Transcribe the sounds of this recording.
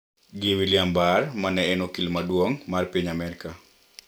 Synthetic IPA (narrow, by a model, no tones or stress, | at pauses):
ɡɪwiljambarmanɛɛnokilmadwoŋmarpiɲamɛɾka